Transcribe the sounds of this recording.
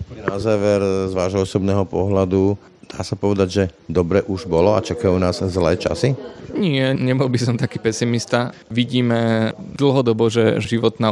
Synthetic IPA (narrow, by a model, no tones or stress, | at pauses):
pɲɛnazaːʋɛɾzʋaːʒɦɔɔsɔbnɛːɦɔpɔɦlad̪u | d̪̥a̰ːsapɔʋɛd̪aɟʒɛd̪ɔbɾɛʔuʒbɔlɔat͡ʃakajuːnaːzzlɛːt͡ʃa̰siɲɪɛɲɛbɔlbisɔmt̪akiːpɛsimist̪a | ʋiɟiːmɛd̪l̩ˠɦɔd̪ɔbɔʒɛʒiʋɔt̪na